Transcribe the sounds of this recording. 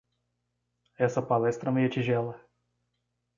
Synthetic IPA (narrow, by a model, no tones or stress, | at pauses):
ɛsɐpalɛst̪ɾɐmejɐt͡ʃiʒɛlɐ